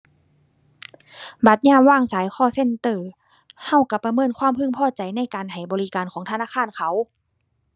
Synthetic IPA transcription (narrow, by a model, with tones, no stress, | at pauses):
ba˧˦t̪̚ɲaː˧˥˨waː˧˩˨ŋsaː˨˦jxʰɔː˧˩˨se˧˥˨nt̪ɤː˧˩ | ha˧˥˩wka˧˩pa˧mɤː˧˥˨nkʰwaː˧˥˨mpʰɯ˧˥˨ŋpʰɔː˧˩t͡ɕa˨jna˧˥˨jkaː˨nɦa˨˩jbɔː˨li˦˧˥kaː˨nkʰɔː˨˦ŋt̪ʰnaː˧˥˨xʰaː˧˥˨nkʰa˨˦w